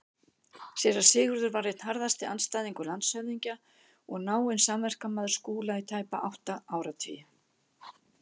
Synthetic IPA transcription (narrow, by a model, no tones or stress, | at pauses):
sɛɾḁsɪːɣʏɾðʏɾvarːejht̪nɦaɾðast̪ɪanst̪ajðiŋkʏlant̪sœɥðiɲca | ɔɣnaːwɪnsamvɛr̥kamaðʏɾskuːlait̪ʰaːjpaʔawht̪aaːwɾat̪ʰḭj